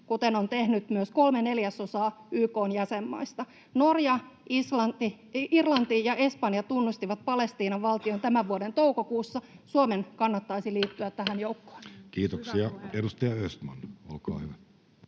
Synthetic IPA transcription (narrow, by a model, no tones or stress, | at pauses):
kut̪enont̪ehnyt̪myøskolmene̞ljæso̞sɑːyːko̞ːnjæsemːɑ̰ist̪ɑ | norjɑislɑt̪i | irlɑnt̪ijɑʔe̞spɑnjɑt̪unːust̪iʋɑt̪̚pɑle̞st̪iːnɑʋʋɑlt̪iont̪æmæʋʋuodent̪oukokuːsːɑsuomenkɑnːɑt̪ːɑisiliːt̪ːyæt̪t̪ːæhænjoukːo̥ːnkiːt̪oksiɑedust̪ɑjɑøst̪mɑ̰no̰lkɑ̰ːhyʋæ